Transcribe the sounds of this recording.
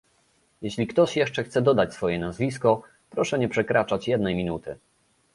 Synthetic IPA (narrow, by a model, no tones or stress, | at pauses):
jɛɕlʲikt̪ɔɕjɛʂt͡ʂɛxt̪sɛd̪ɔd̪at͡ɕsfɔjɛnazvʲiskɔ | pɾɔʂɛɲɛpʂɛkɾat͡ʂat͡ɕjɛd̪̚nɛjmʲinut̪ɘ